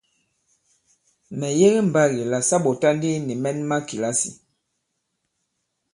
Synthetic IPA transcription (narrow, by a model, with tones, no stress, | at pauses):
mɛ˨je˦ɣi˦m̩˨ba˦ɣi˨la˨sa˦ɓɔ˨ta˦ndi˦ni˨mɛ˦nma˦ki˨la˦sḭ˨